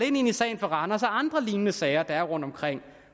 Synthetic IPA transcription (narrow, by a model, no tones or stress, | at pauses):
e̝ne̝nisɛ̰ɪnfɒ̽ʁɑ̈nɐɒsɒɑ̈nd̥ʁɐliːnnəsɛːɪɐd̥ɑæɐʁɔ̽n̰d̥ɒ̽mkʰʁeŋ̰